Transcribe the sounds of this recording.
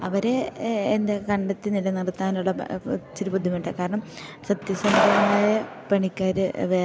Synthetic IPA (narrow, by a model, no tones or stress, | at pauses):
ɐʋɐɾe̞ːnd̪ekɐɳɖɐt̪ːinilɐnirt̪ːaːnuɭːɐt͡ɕiɾupud̪ʱjɐmiɳɖɐkaːɾɐɳɐm | sɐt̪jɐsɐmd̪ʱɐnaːjɐpeɳikʲːaːɾɨʋeː